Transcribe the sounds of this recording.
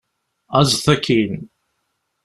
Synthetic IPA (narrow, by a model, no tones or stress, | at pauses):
æzθækʰːin